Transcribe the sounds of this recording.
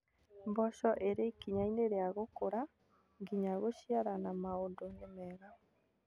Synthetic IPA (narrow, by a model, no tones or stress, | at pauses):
mbɔʃɔʔeɾekiɲaineɾeaɣokoɾa | ŋɡiɲaɣoʃiaɾanamaondonemɛɣa